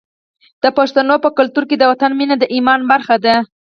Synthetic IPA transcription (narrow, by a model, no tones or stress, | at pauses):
d̪̥əpaʂt̪anopəkʊlt̪uɾked̪əwat̪anminad̪əʔimɑnbaɾxad̪a